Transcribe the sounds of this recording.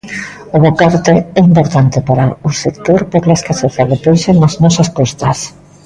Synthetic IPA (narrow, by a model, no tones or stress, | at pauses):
oðekaɾt̪eɛimpoɾt̪ant̪epaɾaʊsekt̪oɾpeɾlaskaseθjalðepeɾsenaznɔsaskost̪ɐs